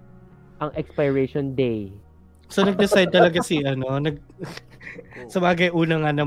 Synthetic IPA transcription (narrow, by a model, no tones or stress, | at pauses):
ʔɐŋʔɛkspɐjɹɛʃɔnd̪ej | sonɐɡ̚d̪ɛsajd̪̚t̪ɐlɐɡasiʔɐno̞nɐɡ̚ | sɐbaːɡɐjʔuːnɐŋanɐ